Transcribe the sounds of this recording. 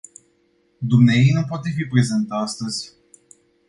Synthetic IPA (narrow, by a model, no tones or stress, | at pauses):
d̪umneejejnup̬oat̪e̞fipɾe̞zent̪ast̪əzʲ